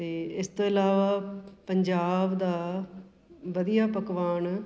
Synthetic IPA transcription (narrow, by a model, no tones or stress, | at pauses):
t̪eːɪst̪oːɪlaːʋaːpɐɲd͡ʒaːbd̪aː | ʋɐd̪ijaːpɐkʋaːn